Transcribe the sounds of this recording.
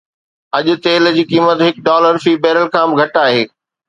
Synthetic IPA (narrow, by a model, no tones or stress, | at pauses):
ɐʄʊ̆t̪eːld͡ʑiːkiːmət̪ɦɪk̚ɖɔːləɾfiːbɛːɾəlkʰãːbɪ̆ɡʱɐʈaːɦeː